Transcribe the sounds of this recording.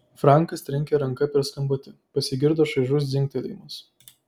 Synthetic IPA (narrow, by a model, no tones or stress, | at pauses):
fɾɑˑŋˑkɐst̪ʲɾʲɪŋʲkʲeɾɐŋkɐpʲɛɾskɐmbot̪ʲɪpɐsʲɪɡʲɪɾd̪oːʃɐʒʲʊsd̪zʲɪŋʲk̚t̪ʲɛlʲɛ̰ɪmʊs